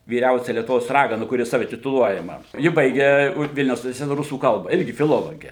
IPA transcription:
ʋʲiːˈrʲɛʊsʲɛ lʲiɛtʊˈʋoːs ˈrɑːɡɐnɐ kʊˈrʲɪ ˈsɑːʋʲɛ tʲɪtʊˈlˠuɔjɛmɐ ˈjɪ ˈbɐɪɡʲɛ ˈʋʲɪlʲnʲɛʊs ʊnʲɪʋʲɛrʲsʲɪˈtʲæːtɐ ˈrʊsuː ˈkɐlˠbɐ ˈɪrʲɡʲɪ fʲɪˈlˠoːlˠoːɡʲeː

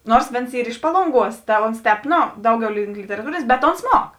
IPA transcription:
ˈnoːrs ˈʋʲeːns ˈiːr ɪʃ ˈpɑːlˠoːŋˌɡuɔs tɐ ˈoːns ˈtʲɛːp ˈnoː ˈdɐʊˌɡʲɛʊ lʲɪŋk lʲɪtʲɛrɐˈtuːrʲeːnʲeːs bʲɛt oːns ˈmuɔk

